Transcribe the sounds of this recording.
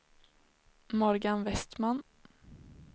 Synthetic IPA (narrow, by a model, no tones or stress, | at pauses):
mɔɾɡanvɛst̪man